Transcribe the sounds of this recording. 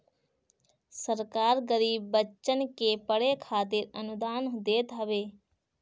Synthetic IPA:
səɾkaːɾɡəɾiːbːətːt͡ʃənkepəɽekʰaːt̪ɪɾənʊd̪aːnɦd̪eːt̪ɦəʋeː

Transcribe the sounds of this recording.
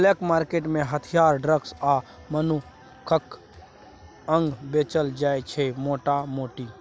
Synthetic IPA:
lekmaːɾkeːʈmẽɦət̪ʰijaːɾɖɾəɡsa | mənu | kʰək | əŋɡbet͡ʃəld͡ʒaːjt͡ʃʰemoːʈamoːʈi

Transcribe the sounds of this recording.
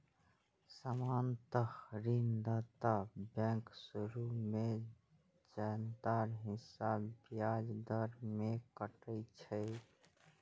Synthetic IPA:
samant̪əhɾind̪at̪abɛ̃ŋksuɾume | d͡ʒand̪aɾɦɪsabbijad͡ʒd̪əɾmekəʈət͡ʃʰə

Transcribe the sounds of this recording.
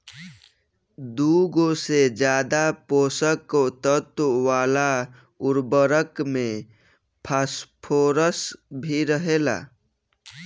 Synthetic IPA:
d̪uɡosed͡ʒjaːd̪apoːsəkt̪ət̪ʋaːla | ʊɾbəɾəkmẽ | pʰaːspʰoːɾəsbʱiɾəɦela̰ː

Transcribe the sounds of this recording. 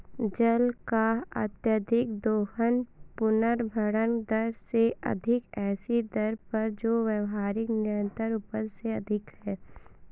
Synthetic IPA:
d͡ʒəlkaɐ̰t̪jəd̪ʱɪkd̪oːhənpʊnəɾbʱəɽənd̪əɾseʔɐ̰d̪ʱɪkɛːsid̪əɾpɐɾd͡ʒoːʋjəʋɦaːɾɪknɪjə̃nt̪əɾuːpəɾseɐd̪ʱɪkhɛː

